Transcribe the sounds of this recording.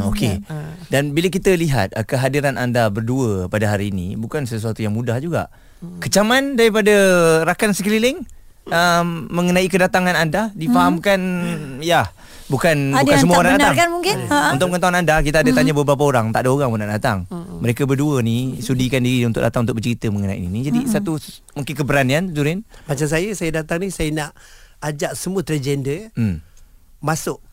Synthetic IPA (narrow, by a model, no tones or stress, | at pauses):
oke | danbiləkit̪əliɦa̰t̪̚kəɦadiɾanʔandabərduəpadaɦaɾiːnḭ̃bukansəs̬uat̪ujaŋmudahd͡ʒuɡa̰ʔ | kət͡ʃamandaɾipadaɾakansəkəlilɪŋ | əmːəŋənaikədat̪aŋanandadifaɦamkanja | bukanbukannsəmuanadant̪aŋkanmuŋkɪunt̪ʊʔ̚mkant̪aanandakit̪aadət̪aɲabəbɾap̬aoɾaŋt̪aʔdaoɾaŋbonaʔdat̪a̰ŋməɾekabəduənisudikandiɾiunt̪ʊ̰kʔdat̪aŋnt̪ʊk̚bət͡ʃəɾit̪əməŋənaḭnḭnid͡ʒadisat̪u | muŋkɪnkəbəɾaniant̪uɾɪnbat͡ʃas̬ajəsajədat̪aŋnisajənaʔad͡ʒaʔsəmuət̪ɾad͡ʒɛndəmmasʊʔ